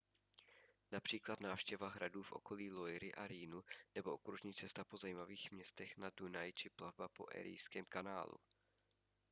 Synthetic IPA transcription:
napr̥iːklat̪naːfʃcɛvaɦɾaduːfʔo̞̰ko̞liːlo̞jɾɪʔaɾiːnunɛboʔokɾuʒɲiːt͡sɛst̪apozajiːmaviːxmɲɛst̪ɛxnadunajt͡ʃɪplavbapo̞̰ʔɛ̰ːɾɪ̰jskɛːmkana̰ːlṵ

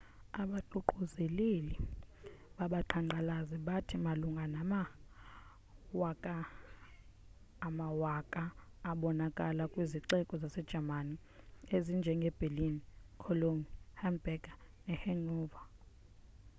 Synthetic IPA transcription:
aɓaǃuǃuzɛlili | ɓaɓaǃʰaŋ͡ǃalaziɓatʰimaluŋɡʱanama | wakʼa | mawakʼaː | ɓɔnakʼalakʼwiziǃɛkʼɔzasɛd̥ʒ̥ʱamani | ezind͡ʒʱɛŋɡʱɛb̥ʱelinikʰɔloŋihanbɛɡanɛhɛŋ͡ǃuːva

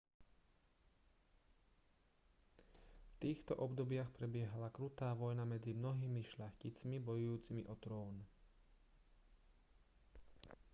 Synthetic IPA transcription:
ft̪iːxt̪ɔ̰ʔɔbd̪ɔbɪaxpɾɛbɪɛɦalakɾut̪aːʋɔjnamɛd͡zimnɔɦiːmiʃʎaxcit͡smibɔjujuːt͡simḭʔɔt̪ɾɔːn

